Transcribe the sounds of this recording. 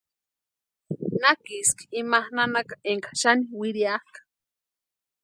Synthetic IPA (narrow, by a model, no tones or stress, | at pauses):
nakiski̥imahnanakḁeŋkʰḁʃaniwiɾiahkḁ